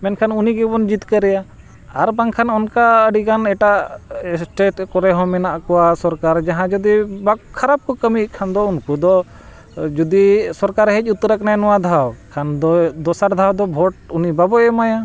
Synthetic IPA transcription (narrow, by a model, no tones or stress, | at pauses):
mɛnkʰanuniɡɛbɔnd͡ʒit̪kəɾɛja | aɾbaŋkʰanɔnkaəɖiɡanɛʈaʔsʈeʈkɔɾɛɦɔ̃mɛnaʔkɔwasɔɾkaɾd͡ʒaɦãd͡ʒud̪ibakʰaɾab̚kɔkəmiʔkʰand̪ɔunkud̪ɔ | d͡ʒud̪isɔɾkaɾɦɛc̚ˀut̪ːɾəknajnɔwad̪ʱawkʰand̪ɔd̪ɔsaɾd̪ʱawd̪ɔbʱɔʈ̚unibabɔʔɛmaja